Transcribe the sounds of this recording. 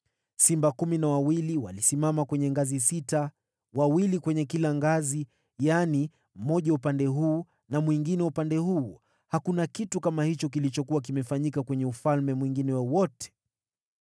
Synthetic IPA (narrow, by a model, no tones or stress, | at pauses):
simbakuminawawiliwalisimamakwɛɲɛŋɡazisita | wawilikwɛɲɛkilaŋɡazi | jani | m̩mɔʄaupandɛɦuː | namwiŋɡinɛupandɛhuː | hakunakitukamahit͡ʃɔk̬ilit͡ʃɔkuwak̬imɛfaɲikakwɛɲɛufalmɛmwiŋɡinɛwawɔtɛ̥